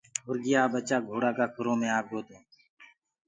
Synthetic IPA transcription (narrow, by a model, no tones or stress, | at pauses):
ʊɾɡɪjaːbət͡ʃaːɡʱoːɽaːkaːkʰʊɾõːmẽːaːp̚ɡoːt̪õː